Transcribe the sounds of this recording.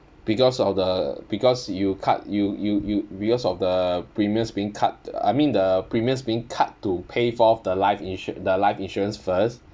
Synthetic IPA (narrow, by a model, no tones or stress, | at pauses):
b̥ikɔsɔfdəb̥ikɔsjukʰa̰t̚jujujubikɔsɔfdəpɹimiə̃sbiĩŋkʰat̚a̰jmĩndəpɹimiə̃sbiĩŋkʰatːupʰefɔfdəlaɪfĩnʃdəlaɪfĩnʃuɹə̃nsfəst